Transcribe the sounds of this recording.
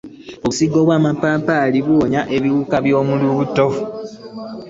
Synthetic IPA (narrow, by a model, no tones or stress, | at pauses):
oβusiɡo̞ːβwaːmapaːpaliβuoɲaʔe̞βiwukaβjo̞ːmuluβuto̞